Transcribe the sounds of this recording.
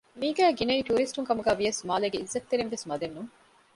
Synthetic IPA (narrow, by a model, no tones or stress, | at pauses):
miːɡæːɡinɐiːʈuːɾisʈuŋkɐmuɡæːʋijɐsmaːleːɡeizːɐt̪t̪ːeɾinʋesmɐd̪enːuŋ